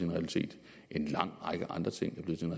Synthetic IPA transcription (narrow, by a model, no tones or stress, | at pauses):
inʁɛælit͡sʰe̝̰ːd̥ | ʔe̝nlɑ̈ŋ̰ʁɑ̈ɡ̥əʔɑ̈nd̥ʁɐt͡sʰe̝ŋ̰æɐb̥le̝ːsinʁɛ